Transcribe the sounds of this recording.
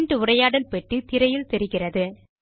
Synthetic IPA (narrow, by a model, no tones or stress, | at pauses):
nɖɯʊrɐjaːɽɐlpɛʈːɯt̪ɪɾɐjɪlt̪ɛɾɯɣɪrɐðɯ